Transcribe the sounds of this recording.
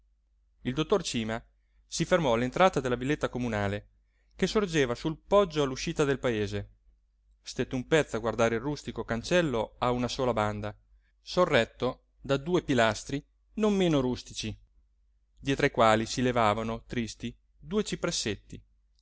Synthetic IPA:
ild̪ot̪ːort͡ʃiːma | sifermɔalːent̪ɾaːt̪ad̪elːavilːet̪ːakomunaːle | kesord͡ʒeːvasulpɔd͡ʒːoalːuʃiːt̪ad̪elpaeːze | st̪et̪ːumpɛt̪sːoaɡward̪aːɾeilrust̪ikokant͡ʃɛlːoaunasoːlaband̪a | sorːɛt̪ːo | d̪ad̪uːepilast̪ɾi | nomːeːnoɾust̪it͡ʃi | d̪jɛːt̪ɾaikwaːlisilevaːvanot̪ɾist̪i | d̪uːet͡ʃipɾesːet̪ːi

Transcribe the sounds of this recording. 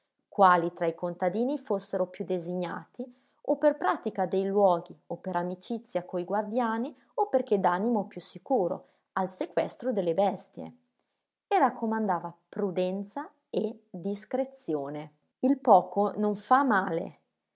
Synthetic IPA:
kwaːlit̪ɾaikont̪ad̪iːnifosːeɾopjud̪eziɲa̰ːt̪i | operpɾaːt̪ikad̪ejlwɔːɡiopːeɾamit͡ʃit̪sːjakoiɡward̪jaːni | operk̟ed̪animopjusːikuːɾo̰ | alsekwɛst̪ɾod̪elːebɛst̪jḛ | erakːomand̪aːvapɾud̪ɛnt̪sa | ed̪iskɾet̪sjoːne | ilpɔːkonoɱfamaːlḛ

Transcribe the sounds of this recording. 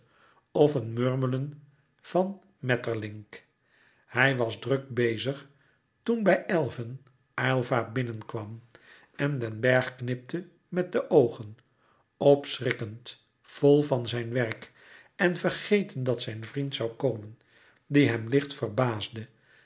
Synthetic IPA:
ɔfənmøɹmələn | v̥ɑn | mɛtəɹlɪŋk | hɛjʋɑzdrøk̚bejzəχ | tunbɛjʔɛlˠvən | ajlˠvaːbɪnənkʋɑm | ɛndɛnbɛɹχknɪp̚tʰə | mɛt̚dəʔowχən | ɔpsrɪkənt | fɔlˠvɑnzɛjnʋɛrk | ɛnvərχejtəndɑtsɛjnvrintsɑwkoːmən | diɦɛmlɪχtfərbaːzdə

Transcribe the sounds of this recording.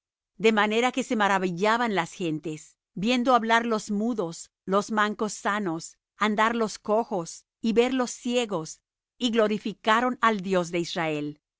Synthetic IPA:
d̪e̞mane̞ɾake̞se̞maɾaβiʝaβanlasxe̞nt̪e̞s | bje̞nd̪oaβlaɾlo̞zmuðo̞s | lo̞zmaŋko̞sːano̞s | and̪aɾlo̞sko̞xo̞s | iβe̞ɾlo̞sːje̞ɣo̞s | iɣlo̞ɾifikaɾo̞nald̪jo̞z̬d̪e̞israe̞l

